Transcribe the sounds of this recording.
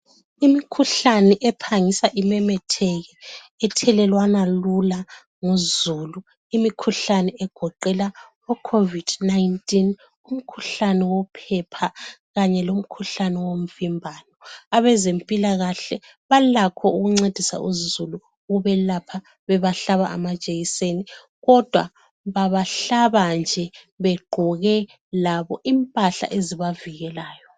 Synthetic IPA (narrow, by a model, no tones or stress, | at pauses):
imikʰuɬanɛʔɛpʰaŋisaʔimɛmɛtʰɛɣɛ | ɛtʰɛlɛlwanalula | ŋuzulu | imikʰuɬanɛɛɡ̥ʱɔǃɛla | ɔkʰovid̥najntʼin | um̩kʰuɬanɛwɔpʰɛpʰaɣaɲɛlom̩kʰuɬanɛwom̩vimbʱaːnɔaβɛzempʼilaɣaɬɛ | βalakʰɔuɣuŋ͡ǀed̥ʱisa̰ʔuzulu | ɣuβɛlapʰa | βɛβaɬaβa̰ʔa̰mḁt͡ʃʼeɣiseni | ɣɔd̥ʱwa | βaβaɬaβand͡ʒʱɛ | βɛɡ͡ǃʱɔɣɛ | laβɔʔimpʼaɬa̰ʔeziβaviɣɛlaːjɔ